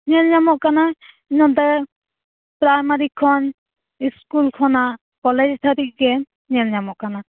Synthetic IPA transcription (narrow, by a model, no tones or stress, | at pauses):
ɲɛlɲamɔʔkana | iɲɔnt̪ɛ | pɾajmaɾikʰːɔn | iskulkʰɔna | kɔlɛd͡ʒt̪ʰaɾiʔ̚ɡɛ | ɲɛlɲamɔʔkana